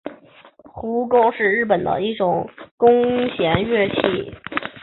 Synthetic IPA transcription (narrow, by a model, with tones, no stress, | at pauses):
xu˧˥ko˥ʊʂɻ̩˥˧ɻɻ̩˥˩pə˨˩nd̪ə̰˦i˥˩ʈ͡ʂʊ˨˩˦ŋkʊ˥ŋɕjɛ˧˥nɥɛ˥˧t͡ɕʰi˥˩